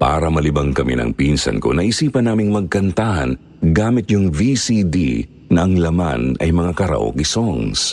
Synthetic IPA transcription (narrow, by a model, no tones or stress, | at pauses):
pa̰ːɾɐmɐlɪbɐŋkɐmɛ̰nɐ̰ŋpinsɐ̰nko̞̰nɐʔisiːpɐnaːmɪŋmɐɡ̚kɐnt̪ahɐn | ɡaːmɪt̪̚jʊŋvisid̪ḭ | nɐʔɐŋlɐma̰nɐjmɐŋakɐɾɐ̰ʔo̞̰kɪsoŋs